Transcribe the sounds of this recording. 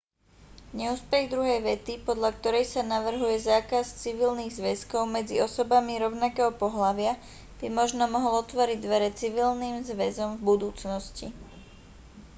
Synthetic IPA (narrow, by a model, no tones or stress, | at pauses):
ɲɛuːspɛɣd̪ɾuɦɛjʋɛt̪ipɔd̪ʎak̚t̪ɔɾɛjsanaʋr̩ɦujɛzaːkast͡siʋilniːɣzʋɛskɔʊmɛd͡ziɔsɔbamiɾɔʊnakɛːɦɔpɔɦlaʋɪa | b̥imɔʒnɔmɔɦɔlɔt̪ʋɔɾiɟd̪ʋɛɾɛt͡siʋilniːmzʋɛzɔmvbud̪uːt͡snɔsci